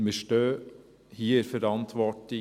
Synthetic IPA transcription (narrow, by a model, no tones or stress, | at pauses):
meʃʈøː | hiːəɾfœɾɑnt̪ʰʋɔʈɪ